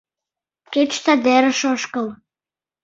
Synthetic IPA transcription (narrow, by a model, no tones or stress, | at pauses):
ket͡ɕt̪ɑd̪eɾə̆ʃoʃkəl